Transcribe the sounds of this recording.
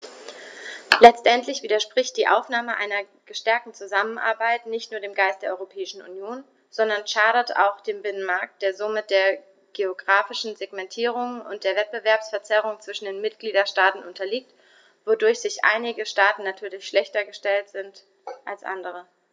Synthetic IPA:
lɛt͡stʔɛntʰlɪçv̥iːdɐʃpʁ̥ɪçt̚d̥iːʔa̰ʊfnaːməʔa̰ɪnɐ | ɡ̥əʃtɛɐk̚tn̩t͡suzamənʔa̰ɐbaɪtnɪçtnuːɐdeːmɡaɪstd̥eːɐʔɔʁopʰɛːɪʃn̩ṵnjoːn | z̥ɔndɐnʃaːɾɐta̰ʊxd̥eːmbɪnənmaɐk̚t̚d̥eːɐzomɪt̚d̥eːɐ | ɡ̥eoɡʁaːfɪʃn̩zeɡmɛntʰiːʁ̞ʊŋʊ̰nt̚d̥eːɐvɛt̚b̥əvɛɐpsfɛɐt͡sɛʁ̞ʊŋt͡sv̥ɪʃn̩deːnmɪt̚ɡ̥liːdɐʃtaːtn̩ʔʊntɐliːk̚t | v̥odʊɐçz̥ɪçʔa̰ɪnɪɡəʃtaːtn̩natʰyːɐlɪçʃlɛçtɐɡəʃtɛltz̥ɪnt | ʔalsʔa̰ndəʁ̞ə

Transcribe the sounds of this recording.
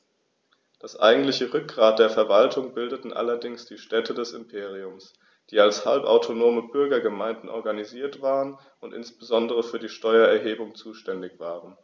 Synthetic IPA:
d̥asʔa̰ɪɡŋ̩tlɪçəʁʏk̚ɡ̥ʁaːt̚d̥eːɐfɛɐvaltʰʊŋbɪldətn̩ʔa̰lɐdɪŋsd̥iːʃtɛtʰədɛsɪmpʰeːʁiʊms | d̥iːalshalpa̰ʊtʰonoːməbʏɐɡɐɡəmaɪndn̩ʔɔɐɡaniziːɐtv̥aːʁən | ʊntʔɪ̰nsb̥əzɔndəʁəfyːɐdiːʃtɔʏɐɛɐɦeːbʊŋt͡suːʃtɛndɪçv̥aːʁən

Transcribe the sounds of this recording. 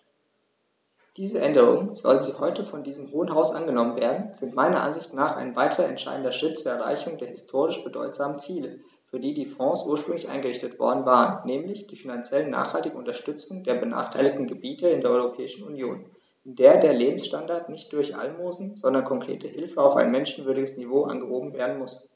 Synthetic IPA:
d̥iːzəʔɛndəʁʊ̰ŋənzɔ̰lənziːhɔʏtəfɔndiːzəmhoːənɦaʊsʔanɡənɔmənveːɐdn̩z̥ɪntmaɪnɐʔa̰nzɪçtnaːχʔa̰ɪnvaɪtʰəʁɐɛntʃa̰ɪdn̩dɐʃʁ̥ɪtt͡suːɐɛɐʁa̰ɪçʊŋdeːɐhɪstʰoːʁɪʃb̥ədɔ̰ʏtz̥aːmən̩t͡siːlə | fyːɐdiːdiːfɔ̃ːsʔuːɐʃpʁ̥ʏŋlɪçʔa̰ɪnɡəʁɪçtətv̥ɔ̰ɐdn̩vaːʁənːɛːmlɪçd̥iːfinant͡sjɛlənːa̰ːχhaltɪɡ̩ʊntɐʃtʏt͡sʊŋdeːɐbəna̰ːχtʰaɪlɪçtn̩ɡəbiːtəɪndeːɐɔʏʁopʰɛːɪʃn̩unjoːn | ʔɪndeːɐdeːɐleːbm̩sʃtandaɐtnɪçt̚d̥ʊɐçʔa̰lmoːzn̩z̥ɔndɐnkʰɔŋkʁ̥ḛːtʰəhɪlfəaʊfa̰ɪnmɛnʃn̩vʏɐɾɪɡəsnivoːʔa̰nɡəhoːbm̩veːɐdn̩mʊs

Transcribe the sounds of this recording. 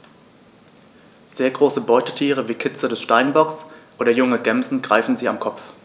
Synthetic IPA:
z̥eːɐɡʁoːsəbɔʏtətʰiːʁ̞əviːkʰɪt͡sədɛsʃtaɪnbɔksʔoːdɐjʊŋəɡɛmzn̩ɡʁaɪfn̩ziːamkʰɔp͡f

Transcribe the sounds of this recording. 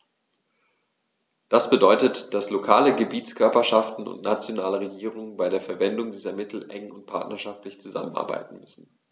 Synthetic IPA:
d̥asb̥ədɔʏtətd̥aslokʰaːləɡəbiːt͡skʰœɐpɐʃaftn̩ʊ̰ntnat͡sjonaːləʁeɡiːʁ̞ʊŋənbaɪdeːɐfɛɐvɛndʊŋdiːzɐmɪtʰl̩ʔɛŋʊnt̚pʰa̰ɐtnɐʃaftlɪçt͡suza̰mənʔa̰ɐba̰ɪtn̩mʏsn̩

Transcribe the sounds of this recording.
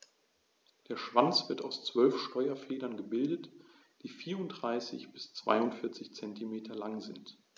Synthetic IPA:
d̥eːɐʃv̥ant͡sv̥ɪɐtaʊst͡sv̥œlfʃtɔʏɐfeːdɐnɡəbɪldət | d̥iːfiːɐʊndʁaɪsɪ̰çb̥ɪst͡sv̥a̰ɪʊntfɪɐt͡sɪçt͡sɛntimeːtʰɐlaŋzɪnt

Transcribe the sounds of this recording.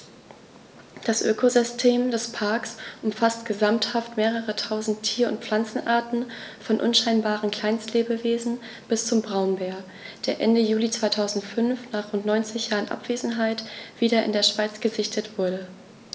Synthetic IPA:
d̥asʔø̰ːkozʏstʰeːmdɛspʰaɐksʔʊmfastɡ̥əzamthaftmeːʁ̞əʁətʰaʊzn̩tʰːiːɐʊ̰ntp͡fl̥ant͡sn̩ʔaːɐtn̩fɔnʔʊ̰nʃaɪnbaːʁ̞ənkʰl̥aɪnstleːbəveːzn̩ | b̥ɪst͡sʊmbʁaʊnbeːɐ | d̥eːɐʔɛndəjuːlit͡sv̥aɪtʰaʊzn̩tfʏnfnaːχʁ̥ʊntnɔʏnt͡sɪçjaːʁənʔa̰pv̥eːzn̩ɦaɪtv̥iːdɐʔɪ̰ndeːɐʃv̥aɪt͡sɡ̥əzɪçtʰətv̥ʊɐdə

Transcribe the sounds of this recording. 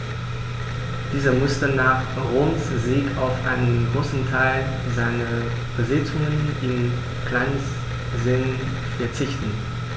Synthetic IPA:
d̥iːzɐmʊstənaːχ | ʁoːmszeːkaʊfʔa̰ɪnənɡʁoːsn̩tʰaɪl | zaɪnə | b̥əzɪt͡sʊŋənʔɪn | klaɪns | zɪn | fɛɐt͡sɪçtn̩

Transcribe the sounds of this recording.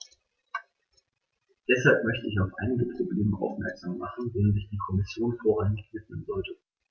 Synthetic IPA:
d̥ɛshalp̚mœçtəɪçaʊfʔa̰ɪnɪɡəpʁ̥obleːməʔa̰ʊfmɛɐkz̥aːmːaχn̩veːnzɪçd̥iːkʰɔmɪsjoːnfoːɐʁançv̥ɪtmənzɔltə

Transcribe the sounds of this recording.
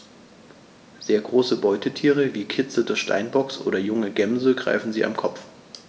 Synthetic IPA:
z̥eːɐɡʁoːsəbɔʏtʰətʰiːʁ̞əviːkʰɪt͡sədoɐçʃtʰa̰ɪnbɔksʔo̰ːɾɐjʊŋəɡɛmzl̩ɡʁa̰ɪfn̩zḭːa̰mkʰɔpp͡f

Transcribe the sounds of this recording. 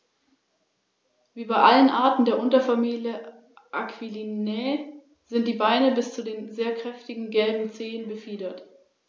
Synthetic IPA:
viːbaɪʔalənʔaɐtn̩deːɐʔʊntɐfamiːljə | ʔakv̥ilinɛ | z̥ɪnt̚d̥iːbaɪnəbɪst͡sudeːnzeːɐkʁ̥ɛftɪɡŋ̩ɡɛlbm̩t͡seːənbəfiːdɐt

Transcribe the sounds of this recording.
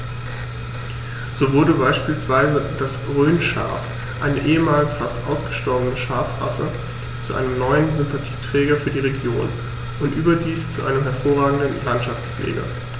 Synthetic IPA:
z̥oːvʊɐdəbaɪʃpiːlsv̥aɪzəd̥asʁøːnʃa̰ɐf | ʔa̰ɪnəʔeːəmaːlsfastʔa̰ʊsɡ̥əʃtɔɐbənəʃaɐfʁa̰sə | t͡suʔa̰ɪnəmnɔʏənzʏmpatʰi̥ːtʁ̥ɛːɡɐfyːɐdiːʁ̞eɡjoːn | ʔʊntʔyːbɐdiːst͡suʔa̰ɪnəmɦɛɐfoːɐʁaːɡŋ̩dənlantʃaft͡sflʔḛːɡɐ̰

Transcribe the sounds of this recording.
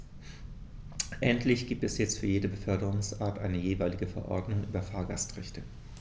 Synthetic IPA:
ʔɛntʰlɪçɡ̥iːp̚tɛsjɛt͡stfyːɐjeːdəbəfœɐdəʁʊŋsʔaːɐtʔa̰ɪnəjeːvaɪlɪɡəfɛɐʔɔɐdnʊŋʔyːbɐfaːɐɡastʁɛçtʰə

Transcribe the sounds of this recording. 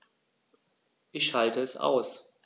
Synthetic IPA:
ʔɪçhaltəɛsʔa̰ʊs

